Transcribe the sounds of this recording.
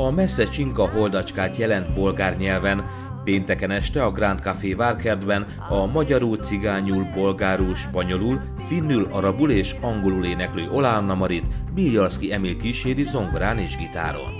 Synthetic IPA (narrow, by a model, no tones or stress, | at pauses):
ɒmɛsːɛt͡ʃiŋkɒɦo̞ld̪ɒt͡ʃkaːt̪jɛlɛnt̪bo̞lɡaːrɲɛlvɛn | peːnt̪ɛkɛnɛʃt̪ɛɒɡrant̪kafeːvaːrkɛrd̪bɛn | ɒmɒɟɒɾult̪siɡaːɲulbo̞lɡaːɾulʃpɒɲo̞lul | finːylɒɾɒbuleːʃɒŋɡo̞luleːnɛkløːʔo̞laːnːɒmɒɾit̪biljɒrskiɛmilkiʃeːɾizo̞ŋɡraːneːʒɡit̪a̰ːɾo̰l